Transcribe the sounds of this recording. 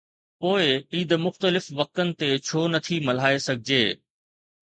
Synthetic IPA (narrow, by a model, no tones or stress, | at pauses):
poːɪiːd̪mʊxt̪əlɪfʋɐk̚t̪ənɪ̆t̪et͡ɕʰoːnɐt̪ʰimɐl̤aːesɐɡʱɪd͡ʑeː